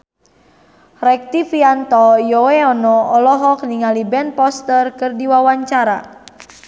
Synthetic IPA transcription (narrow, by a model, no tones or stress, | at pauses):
rɛk̚t̪ifiant̪ɔjoweɔnɔɔlɔɦɔk̚niŋalibɛnpɔst̪ərkərdiwawaɲt͡ʃaɾa